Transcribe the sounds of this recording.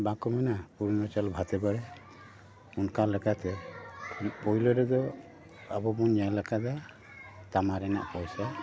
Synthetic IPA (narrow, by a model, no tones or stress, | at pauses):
bakɔmanapuɾnɔt͡ʃalbʱat̪ɛbaɽɛ | unkalɛkat̪ɛ | pɔilɔɾɛd̪ɔ | a̰bɔbɔnjalɛkada | t̪amaɾɛna̰ʔpɔjsa